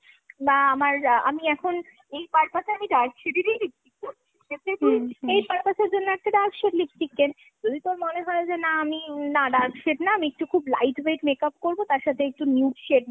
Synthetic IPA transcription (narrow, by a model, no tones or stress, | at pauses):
baamaɾamiɛkʰon | ejpaɾpatʰeamiɖaɾkʃeɾiɾejlipʈik̚ːoɾt͡ɕʰiiʃet̪ʰet̪uiejpaɾpasʰeɾd͡ʑonːoɛk̚ʈaɖaɾkʃeʈlifʈikːen | d͡ʑod̪ʱit̪omoneɦɔed͡ʑenaaminaɖaɾkʃeʈnaamiek̚ʈukʰublajʈʰbeʈmekapkoɾbot̪aɾʃat̪ʰeek̚ʈunjuʈʃeʈ̚